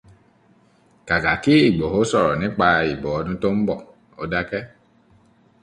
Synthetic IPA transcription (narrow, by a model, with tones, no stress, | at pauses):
ka˨ɡa˨ki˦i˦˨ɡ͡bo˨ho˨˦sɔ˦˨ɾɔ˨nĩ˨˦k͡pa˧i˨ɡ͡bɔ˨ɔ˧nũ˦to˦m̩˦bɔ˦˨ | o̰˦da˦kɛ˦